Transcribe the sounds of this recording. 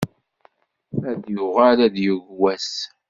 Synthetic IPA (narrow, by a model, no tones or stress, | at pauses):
æðjʊʁalæd̪juʝwæs